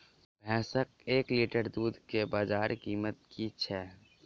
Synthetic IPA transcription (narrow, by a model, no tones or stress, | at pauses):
bʱɛ̃ːsək̚eːkliʈəɾd̪uːd̪ʱkebaːd͡ʒaːɾkiːmət̪̚kit͡ʃʰɛː